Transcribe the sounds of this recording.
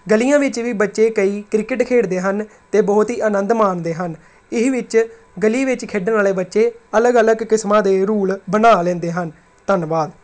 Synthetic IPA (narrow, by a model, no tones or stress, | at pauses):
ɡəlijãːʋɪt͡ʃʋiːbətːʃeːkəiːkɾɪkɪʈkʰeːɽd̪eːɦən | t̪eːbɔːt̪ɦiːʔənə̃nd̪maːnd̪eːɦən | ɪɦʋɪt͡ʃ | ɡəliːʋɪt͡ʃkʰeːɖənaːleːbətːʃeːələɡələɡkɪsmãːd̪eːɾuːɭbənaːlɛ̃ːnd̪eːɦən | t̪ənʋaːd̪